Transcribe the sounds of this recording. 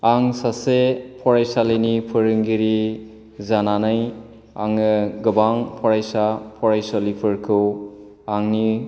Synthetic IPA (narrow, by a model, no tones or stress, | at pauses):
aŋsasepʰɔɾajsalenipʰɯɾɯŋɡiɾi | zananaj | a̰ŋɯɡɯbaŋpʰɔɾajsapʰɔɾajsɔlipʰɯɾkʰɯw | aŋni